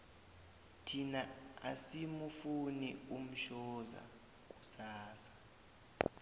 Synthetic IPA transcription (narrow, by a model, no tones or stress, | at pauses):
tʰinaa̰simufunium̩ʃɔza̰ | k̬ʼusaːsḁ